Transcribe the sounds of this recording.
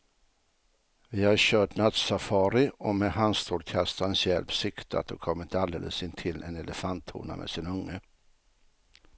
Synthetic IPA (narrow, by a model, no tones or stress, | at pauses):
vɪhaɾɕœːʈnat̪safɑːɾɪɔmɛɦanst̪ʰuːɖkʰast̪ansjɛlpsɪkt̪a̰t̪̚d̪ɔkʰɔmːɾɪt̪əald̪ḛːləsɪnt̪ʰɪlːɛnɛləfant̪ʰːṵːna̰mʔɛ̰sɪnɵŋːə